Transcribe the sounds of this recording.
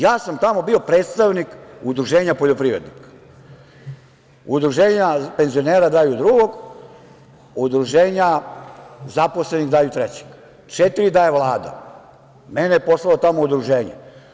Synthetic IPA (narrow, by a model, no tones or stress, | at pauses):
jaːsamt̪amo̞bio̞pɾeːt̪st̪aʋnikud̪ɾuʒe̞ːɲapoʎo̞pɾiːʋɾed̪nik | ud̪ɾuʒeːɲape̞nzioneːɾad̪aːjud̪ɾuɡo̞ɡ | ud̪ɾuʒeːɲa | zapo̞sleniɣd̪aːjut̪ɾet͡ɕe̥ɡ̥ | t͡ʃet̪iɾid̪aːjeʋlˠaːd̪a̰ | menejepo̞slˠalot̪amoud̪ɾuʒeːɲḛ